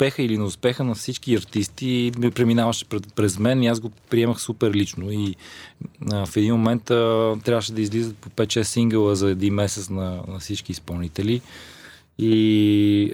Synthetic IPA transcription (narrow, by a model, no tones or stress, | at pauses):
pɛxəilinɛʊspɛxənɐfsit͡ʃkiɐɾt̪ist̪ipɾɛminavəʃɛ̥pɾpɾɛzmɛniazɡopɾiɛməxsupɛɾlit͡ʃnoi | əfɛd̪inmomɛnt̪ət̪ɾʲavəʃɛd̪ɐizlizət̪̚popɛt̪ʃɛsiŋɡəlˠəzɐɛd̪inmɛsɛt̪snɐnɐfsit͡ʃkiːspɐlˠnit̪ɛli | i